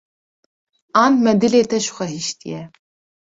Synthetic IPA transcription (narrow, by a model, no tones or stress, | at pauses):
aːnmɛd̪ɨleːt̪ɛʃxʷɛɦiʃt̪ʰḭjɛ